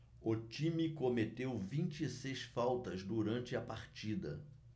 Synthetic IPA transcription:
ʊt͡ʃĩmikomet̪ewvĩnt͡ʃɪsejsfawt̪ɐzd̪uɾɐ̃nt͡ʃɪɐpaɾt͡ʃid̪ɐ

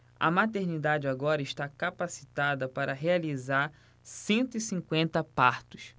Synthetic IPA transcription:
ɐ̰mat̪eɾnid̪ad͡ʒɪaɡɔɾɐiʃt̪akapasi̥t̪ad̪ɐpaɾɐɦealizaɾ | sẽnt̪ʊisĩŋkwẽnt̪ɐpaɾt̪ʊs

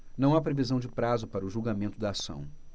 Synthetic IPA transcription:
nɐ̃w̃apɾevizɐ̃w̃d͡ʒɪpɾazʊpaɾɐʊʒulɡamẽnt̪ʊd̪aːsɐ̰̃w̃

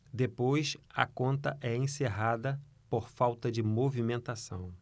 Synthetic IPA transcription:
d̪epojsɐ̰kõnt̪ɐʔɛẽseɦad̪ɐ | poɾfawt̪ɐd͡ʒɪmovimẽnt̪asɐ̰̃w̃

